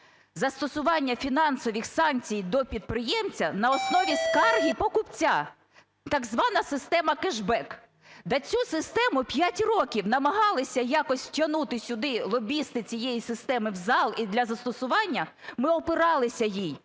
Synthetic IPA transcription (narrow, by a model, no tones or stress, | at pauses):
zɐst̪ɔsʊʋɑnʲːɐfʲinɑnsɔʋʲixsɑnt͡sʲijd̪ɔpʲid̪̚pɾɪjɛmt͡sʲɐnɐɔsnɔʋʲiskɑrɦʲipɔkʊpt͡sʲa | t̪ɐɡzʋɑnɐsɪst̪ɛmɐkɪʒbɛk | d̪ɐt͡sʲusɪst̪ɛmʊpʲjatʲrɔkʲiwnɐmɐɦɑlˠɪsʲɐjɑkɔsʲwtʲɐnut̪ɪsʲʊd̪ɪlˠɔbʲist̪ɪt͡sʲijɛjisɪst̪ɛmɪwzɑlˠid̪lʲɐzɐst̪ɔsʊʋɑnʲːɐ | mɪɔpɪɾɑlˠɪsʲɐjij